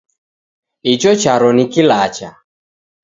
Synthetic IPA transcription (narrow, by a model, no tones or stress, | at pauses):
it͡ʃɔt͡ʃaɾɔnikilat͡ʃa